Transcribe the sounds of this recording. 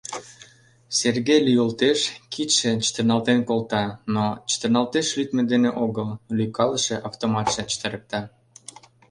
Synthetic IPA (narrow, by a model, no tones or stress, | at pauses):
serɣejlyjolt̪eʃkʰit̪ʃet͡ɕə̥t̪ərnɑlt̪enkolt̪ɑnot͡ɕə̥t̪ə̆rnɑlt̪eʃlyt̪med̪eneʔoɣəllykɑləʃĕʔɑft̪omɑt̪ʃĕt͡ɕə̥t̪əɾək̚t̪ɑ